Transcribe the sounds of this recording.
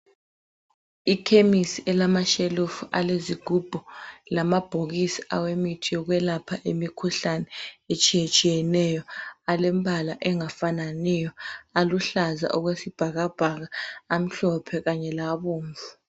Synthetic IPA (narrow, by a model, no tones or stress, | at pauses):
ikʰemisiʔɛlamaʃelufua̰leziɡ̥ʱub̥ʱɔlamab̥ʱoɣisiawemitʰijɔɣwɛlapʰaʔemikʰuɬanɛet͡ʃʼijet͡ʃʼijɛnɛjɔalɛmbʱalaʔɛŋafananɛjɔaluɬaza̰ʔuɣwesib̥ʱaɣab̥ʱaɣaːm̩ɬɔpʰɛɣaɲɛlaβoːɱvu̥